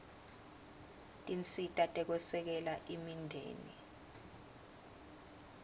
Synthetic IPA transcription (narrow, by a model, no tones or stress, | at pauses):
tʼint͡sʼitʼatʼɛk̬ɔsɛk̬ɛlaʔimindʱḛːni